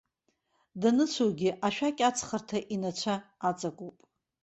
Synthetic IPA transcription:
danɨt͡ʃʷʰoɡʲɪʔaʃᶣakʲʼat͡sʰχartʰaʔinat͡ɕʷʰaːt͡sʼakʷʼupʼ

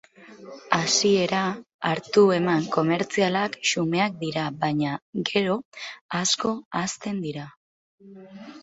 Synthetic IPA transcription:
asie̞ɾa | aɾt̪ue̞maŋko̞me̞ɾt͡sialakʃume̞ak̚d̪iɾaβaɲaɡe̞ɾo̞asko̞ast̪e̞nd̪iɾa

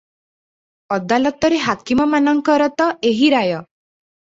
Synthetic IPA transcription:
ɔd̪alɔt̪ɔɾeɦakimɔmanɔŋkɔɾɔt̪ɔʔeɦiɾajɔ

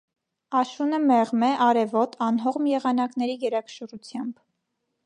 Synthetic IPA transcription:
ɑʃunəmɛʁmɛʔɑɾɛvɔt̪ʰɑnɦɔʁmjɛʁɑnɑkn̪ɛɾijɛɾɑkʰə̥ʃərut͡sʰjɑmb̥

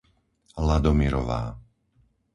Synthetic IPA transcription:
lad̪ɔmiɾɔ̰ʋa̰ː

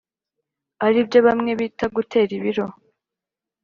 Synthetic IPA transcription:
aɾibjo̞βamŋe̞βiːtaɡutʰe̞ːɾiβiɾo̞

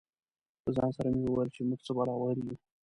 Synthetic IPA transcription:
pəzɑ̰nsaɾamewəwajəlt͡ʃemuɡt͡səbɑlɑwaɾju

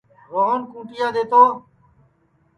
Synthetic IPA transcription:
ʋəɦoːnkũːʈɪjãːd̪eːt̪oː

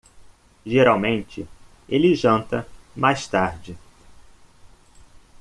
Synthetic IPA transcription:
ʒeɾawmẽnt͡ʃɪ | elɪʒɐ̃nt̪ɐmajst̪aɾd͡ʒɪ

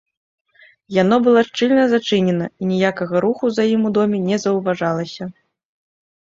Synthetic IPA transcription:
janɔbɨlˠaʂt͡ʂɨlʲnɐzat͡ʂɨnʲɛnɐinʲijakɐɣɐɾuxuzjajimud̪ɔmʲinʲɛzɐwvaʐalˠɐsʲɐ

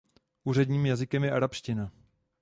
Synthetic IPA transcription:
ʔuːr̝ɛdɲiːmjazɪkɛmjɛaɾapʃcɪna

